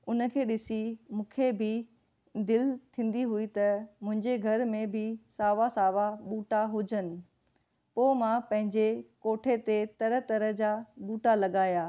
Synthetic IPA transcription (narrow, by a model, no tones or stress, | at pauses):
ʊnə̆kʰeːɗɪsimũːkʰebɪ | d̪ɪlt̪ʰĩːn̆d̪iɦʊit̪ɐmʊ̃ɦɪ̃ɲd͡ʑeɡʱɐɾmẽbʱɪsaːʋasaːʋaɓuːʈaɦʊd͡ʑənɪ̆ | poːmãpɐ̃ɦɪ̃ɲd͡ʑekoːʈʰet̪et̪ɐɾə̆t̪ɐɾəɦd͡ʑaːɓuːʈalɐɠaːjaː